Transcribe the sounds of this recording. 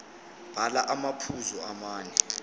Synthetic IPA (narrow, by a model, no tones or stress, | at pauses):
b̥ʱalaʔamapʰuzɔamaːnɛ